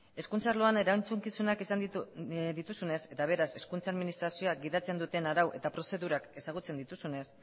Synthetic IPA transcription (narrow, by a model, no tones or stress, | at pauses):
e̞skunt͡saɾloane̞ɾant͡suŋkisunakisa | d̪it̪usune̞se̞t̪aβ̞e̞ɾase̞skunt͡saðminist̪ɾasio̞ak̚ɡiðat͡se̞nd̪ut̪e̞naɾawʔe̞̰t̪apɾo̞se̞ðuɾake̞saɣ̞ut͡se̞nd̪it̪usune̞s